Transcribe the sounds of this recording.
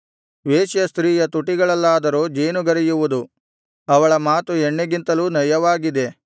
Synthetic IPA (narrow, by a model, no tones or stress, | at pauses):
ʋeːʃjɐst̪ɾiːjɐt̪uʈiɡɐɭɐlːaːd̪ɐɾoːd͡ʒeːnuɡɐɾijuʋud̪u | ɐʋɐɭɐmaːt̪uɛɳːeɡint̪ɐluːnɐjɐʋaːɡid̪e̞